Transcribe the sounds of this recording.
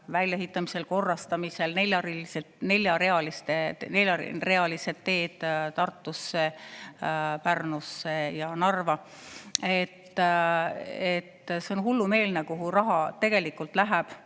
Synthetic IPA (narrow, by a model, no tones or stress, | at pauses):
vælʲjeɦit̪ːˑɑmise̞lko̞rːɑst̪ɑmise̞lne̞lʲjɑrise | ne̞lʲjɑɾeɑlist̪ene̞ljɑre̞ɑlise̞d̪̥ːe̞ːd̪̥t̪ɑrt̪ːˑusːe̞ | pærnusːe̞jɑnɑrvɑ | et̪ː | et̪ːseonɦulːume̞ːlnekuɦurɑɦɑt̪e̞ɡ̥e̞likːult̪læɦæb̥